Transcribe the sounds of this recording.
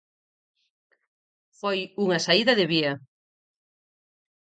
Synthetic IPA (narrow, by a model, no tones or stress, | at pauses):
fojuŋɐsaiðɐðeβiɐ